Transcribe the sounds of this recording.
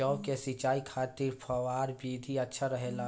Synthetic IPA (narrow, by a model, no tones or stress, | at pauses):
ɔːkesit͡ʃaːikʰaːt̪iɾpʰɐʋaːɾbiːd̪ʱiɐtːʃʰaɾəɦelaː